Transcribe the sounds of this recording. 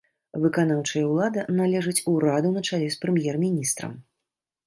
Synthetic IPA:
vɨkanawt͡ʂɐjɐwlˠad̪ɐnalʲɛʐɨt͡sʲuɾad̪unɐt͡ʂalʲɛspɾɨmjɛrmʲinʲist̪ɾɐ̰m

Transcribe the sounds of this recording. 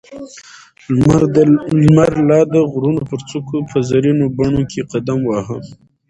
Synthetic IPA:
lmaɾlɑd̪əɣɾunopəɾt͡sukʰopəzaɾinobaɳokʰeqad̪amwɑɦə

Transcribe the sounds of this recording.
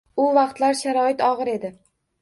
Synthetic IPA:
ʊvɑqt̪laɾʃaɾɒɪt̪ɒʁɨɾe̞d̪ɪ

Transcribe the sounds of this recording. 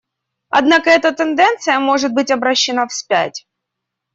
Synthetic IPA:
ɐ̰d̪nakəɛt̪ət̪ɛnd̪ɛnt̪sɨjəmo̞ʐɨt̪̚bɨtʲɐbɾɐɕːɪnafsʲpʲæ̰tʲ

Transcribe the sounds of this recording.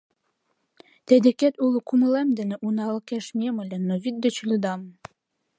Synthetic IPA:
t̪æd̪ɘ̆kæt̪ulˠukumlæmd̪ɘ̆nɘ̆ʔunɑlˠɤkæʃmʲiemɤ̆lʲænːovʲit̪̚d̪ɘ̆t͡ɕlʲɘ̆d̪ɑm

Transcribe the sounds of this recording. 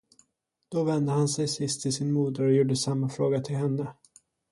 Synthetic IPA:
d̪̥ɔvɛnd̪əhansɛjsɪst̪ʰːɪlsɪnmuːd̪əɾɔjuːɖəsamːafɾoːɡat̪ʰɪlɦɛnːə

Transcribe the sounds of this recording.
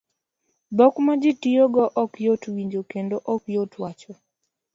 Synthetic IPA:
bɔkmad͡ʒɪtioɡɔʔɔkjotwiɲd͡ʒokendoʔɔkjotwat͡ʃɔ

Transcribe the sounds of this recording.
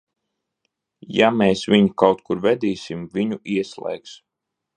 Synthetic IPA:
jameːsvʲiɲikawt̪kuɾvɛd̪iːsimvʲiɲuʔiɛslˠɛ̰jks

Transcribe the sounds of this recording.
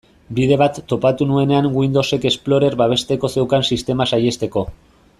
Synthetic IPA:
bið̞e̞β̞at̪ːo̞pat̪unue̞ne̞aŋɡwind̪o̞se̞ke̞splo̞ɾe̞ɾβaβ̞e̞st̪e̞ko̞se̞wkansist̪e̞masaje̞st̪e̞ko̞

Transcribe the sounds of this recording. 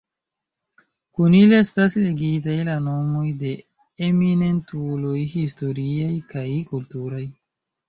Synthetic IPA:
kunilestasleɡitajlano̞mo̞jde̞ | emine̞ntulojhisto̞ɾiajkajkultuɾaj

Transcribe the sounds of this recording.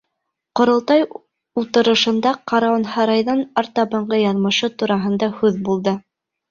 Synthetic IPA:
qŏɾɤ̆lˠt̪ɑj | ut̪ɤ̆ɾɤ̆ʃɤ̆nd̪ɑqɑɾɑonhɑɾɑjðɑnɑɾt̪ɑβɤ̆ɴɢɤjɑðmɤ̆ʃɤt̪uɾɑɦɤ̆nd̪ɑhʉðbulˠd̪ɤ

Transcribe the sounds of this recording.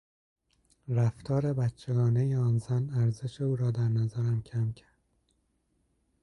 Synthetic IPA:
ɾæft̪ʰɒːɾe̞bætt͡ʃʰːe̞ɡɒːnejeɒːnzænæɾze̞ʃeuːɾɒːd̪æɾnæzæɾæmcʰæmcʰæɾd̪̥

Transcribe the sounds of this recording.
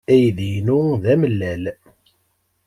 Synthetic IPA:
æjðjnuðæməlːæl

